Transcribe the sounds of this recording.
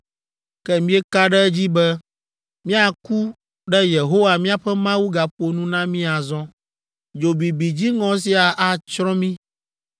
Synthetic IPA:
kɛ˦mĩ˦ɛ˦ka˦ɖɛ˦ɛ˦d͡ʑi˦bɛ˦ | mĩ˦a˨ku˦ | ɖɛ˦je˨ɦo˦wa˨mĩ˦a˨ɸɛ˦mã˦wu˦ɡa˨ɸo˨nũ˦nã˦mĩ˦a˨zɔ̃˦ | d͡ʒo˨bi˨bi˨d͡ʑi˦ŋɔ̃˦s̬i˦a˨ʔa˨t͡ʃɾɔ̃˦mĩ˦

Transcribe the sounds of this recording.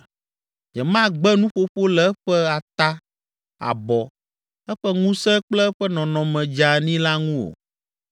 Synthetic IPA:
d͡ʒɛ˨mã˦ɡ͡bɛ˦nũ˦ɸo˦ɸo˦lɛ˦ɛ˦ɸɛ˦a˨t̪a˦ | a̰˨bɔ˨ | ɛ˦ɸɛ˦ŋũ˦sɛ˦k͡plɛ˦ɸɛ˦nɔ̃˨nɔ̃˨mɛ̃˨d͡ʒa˨nĩ˦la˦ŋũ˦o̰˨

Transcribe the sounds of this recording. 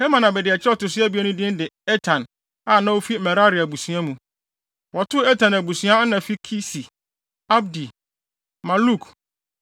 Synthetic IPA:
he˦mã˨nã˨bɛ˨dɪ˨ɛ˨t͡ɕʰɪ˦ɾɔ˦tʊ˨sɪ˦ɛ˦bi˦æ˦nũ˦dɪ̃˦n˦dɪ˨ɛ˦tʰã˨n | a˦˨nã˦wo˦fi˦mɛ˨ɾa˦ɾɪ˨æ˨bu˨sũ˨˦ã˦mũ˨ | wɔ˨tʰʊ˦ɛ˦tʰã˨næ˨bu˨sũ˦ã˦nã˨fi˦kʰi˦si˨ | a˦b̚di˨ | mã˨lu˦˨k

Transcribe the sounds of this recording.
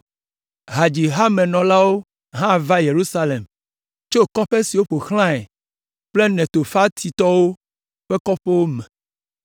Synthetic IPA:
ɦa˨d͡ʒi˨ɦa˦mɛ̃˨nɔ̃˨la˦wo˦ | ɦã˦˨va˦je˨ɾu˦sa˦le˨m | t͡ʃo˦˨kɔ˦ɸe˦si˨wo˦ɸo˨xl̃ã˦ɛ˨ | ɸle˦nɛ̃˨t̪o˨fa˦t̪ʰi˨t̪ɔ˦wo˦ | ɸɛ˦kɔ˦ɸe˦wo˦mɛ̃˨

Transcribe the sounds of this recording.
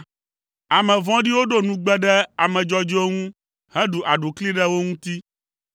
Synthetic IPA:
a˨mɛ̃˨vɔ̃˦ɖi˦wo˦ɖo˦nũ˦ɡ͡bɛ˦ɖɛ˦a˨mɛ̃˨d͡ʒɔ˦d͡ʒo˦ŋũ˦ | hɛ̃˦ɖu˨ʔa˨ɖu˨kli˦ɖɛ˦wo˦ŋũ˦t̪i˦

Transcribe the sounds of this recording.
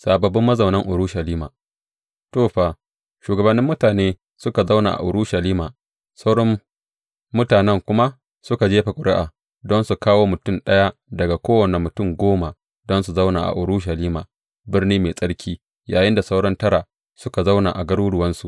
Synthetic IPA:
saː˨bɐ˨bɪ˦mːɐ˦zɐ˨wnɐ˦ŋʔʊ˨ɾʊ˦ʃɐ˨liː˦ma̰ː˨ | toː˦˨ɸaː˨ | ʃuː˨ɡɐ˨bɐ˨nːɪ˦mːʊ˦taː˨neː˦ | sʊ˦ka˨za˦wna̰˨ʔa̰˨ʔʊ˨ɾʊ˦ʃɐ˨liː˦maː˨ | sa˦wɽɔ˦mː | ʊ˦taː˨nɛ˦˨ŋkʷʊ˦ma˦ | sʊ˦ka˨d͡ʒeː˦ɸa˨kʷʼʊ˨ɽɪ˦ʔaː˨ | dɔ˦nsu˨kaː˦woː˦mʊ˨tʊ˦nɗɐ˦ja˦dɐ˨ɡa˨kʷoː˦wɐ˨ne˨mʊ˨tʊ˦˨mɡʷoː˦ma˨ | dɔ˦nsu˨za˦wna̰ː˨ʔa̰˨ʔʊ˨ɾʊ˦ʃɐ˨liː˦maː˨ | bɪ˦rniː˦meː˨sʼɐ˦ɽkʲʰiː˦ | jaː˨jɪ˦nda˨sa˦wɽɐ˦ntɐ˦ɾa˨ | sʊ˦ka˨za˦wna̰˨ʔa˨ɡɐ˦ɽuː˦ɽʊ˨wɐ˦nsu˨ʔ

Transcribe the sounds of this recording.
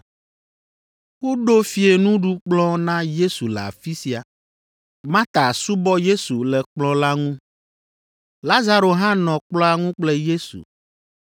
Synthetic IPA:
wo˦ɖo˦fi˨e˨nũ˦ɖu˦k͡plɔ̃˦nã˦je˦su˨lɛ˨a̰˨fi˦si˦a˨ | mã˦t̪a˨su˦bɔ˦je˦su˨lɛ˨k͡plɔ̃˦la˦ŋũ˦ | la˦za˦ɾo˨ɦã˦nɔ̃˨k͡plɔ˦a˨ŋũ˦k͡plɛ˦je˦sṵ˨

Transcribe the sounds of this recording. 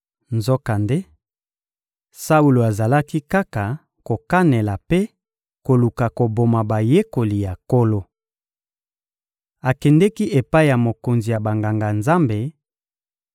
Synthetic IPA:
nzo˦ka˨nde˦ | sa˦u˨lo˨a˨za˨la˦ki˦ka˦ka˨ | ko˨ka˦ne˨la˨pe˦ | ko˨lu˨ka˨ko˨bo˨ma˨ba˨je˦ko˨li˨ja˨ko˦lo˦ | a˨kɛ˨ndɛ˦ki˦ʔe˨pa˦i˦˨ja˨mo˨ko˨nzi˨ja˨ba˨ŋɡa˨ŋɡa˨nza˦mbe˨

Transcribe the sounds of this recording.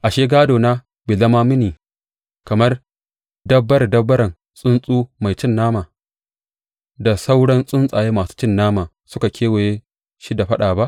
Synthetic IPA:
ʔa˨ʃeː˦ɡaː˦doː˨na˦ | beː˨zɐ˦maː˦mɪ˦niː˨ | kɐ˨mɐ˦r | dɐ˦bːɐ˦ɾdɐ˦bːɐ˦ɾɐ˨n | sʼʊ˦nsʼuː˦ma˨jt͡ʃɪ˦nːaː˦maː˨ | da˨sa˦wɽɐ˦nsʼʊ˦nsʼaː˨jeː˦maː˨su̥˦t͡ʃɪ˦nːaː˦maː˨ | sʊ˦ka˨kʲeː˦we˨je˦ | ʃi˦da˨ɸɐ˦ɗaː˨ba˦ʔ

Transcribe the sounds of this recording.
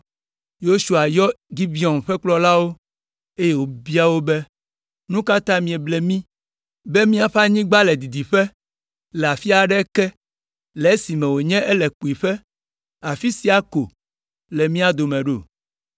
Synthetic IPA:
jo˦su˨a˨jɔ˦ɡi˦bi˦ɔ˨nɸɛ˦k͡plɔ˦la˦wo˦ | e˦je˦wo˨bi˦a˦wo˦bɛ˦ | nũ˦ka˦t̪ã˦mĩ˨ɛ˨blɛ˨mĩ˦ | be˦mĩ˦a˨ɸa˦ɲĩ˦ɡ͡ba˦lɛ˨d̪i˨d̪i˨ɸɛ˦ | lɛ˨a˨fi˦a˨ɖɛ˦kɛ˦ | lɛ˨e˦si˨mɛ̃˨wo˨ɲɛ̃˦ʔɛ˦lɛ˨k͡pu˨i˨ɸɛ˦ | a˨fi˦si˦a˦ko˨ | lɛ˨mĩ˦a˦d̪o˨mɛ̃˨ɖo̰˨

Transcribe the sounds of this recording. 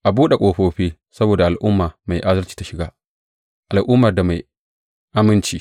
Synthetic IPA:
ʔa˨buː˦ɗe˨kʷʼoː˨ɸoː˦ɸiː˦ | sɐ˦boː˨da˨ʔa˨lʔʊ˦mːaː˨ma˨jʔa˦zɐ˦rt͡ʃi̥ː˨˦ta˨ʃɪ˨ɡaː˦ | ʔa˨lʔʊ˦mːɐ˨rda˨ma˨j | ʔa˦mɪ˦nt͡ʃiː˦

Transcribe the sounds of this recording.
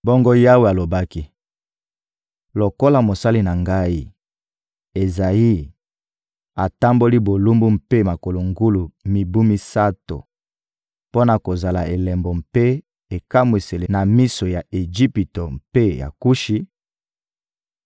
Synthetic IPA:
bo˦ŋɡo˦ja˦we˨a˨lo˨ba˦ki˦ | lo˨ko˦la˨mo˨sa˦li˦na˨ŋɡa˦i˦ | e˨za˨ji˦ | a˨ta˦mbo˦li˦bo˨lu˦mbu˦m̩pe˦ma˨ko˨lo˨ŋɡu˦lu˨mi˨bu˦mi˦sa˦to̰˨ | po˦na˨ko˨za˨la̰˨e˨lɛ˨mbo˨mpe˦ | e˨ka˦mwe˨se˨le˨na˨mi˦so˨ja˨e˨ʒi˦pi˨to˨m̩pe˦ja̰˨ku˦ʃi˦

